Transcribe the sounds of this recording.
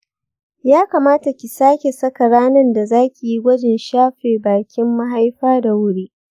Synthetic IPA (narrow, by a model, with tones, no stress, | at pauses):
jaː˦kaː˨maː˦ta˨kʲɪ˨saː˦kʲe˨sɐ˦ka˨ɽaː˦nɐ˦nda˨zaː˦kʲi˨ji˦ɡʷɐ˦d͡ʒɪ˨nʃaː˦ɸeː˨baː˨kʲɪ˦mːa˦ɦa˦jɸaː˦da˨wʊ˦ɽiː˦